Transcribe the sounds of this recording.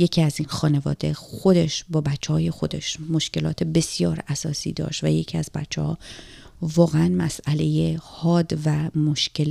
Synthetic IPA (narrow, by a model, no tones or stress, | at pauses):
je̞cʰiæziːnxɒːne̞vɒ̰ːd̪e̞xod̪e̞ʃbɒːbæt͡ʃʰːehɒːje̞xo̞d̪e̞ʃmo̞ʃce̞lɒːt̪ʰe̞be̞sjɒːɾæsɒːsḭːd̪ɒ̰ːʃtvæje̞cʰiːæzbæt͡ʃʰːehɒː | vɒːɣeænmæsæle̞jehɒːd̪væmoʃcʰe̞l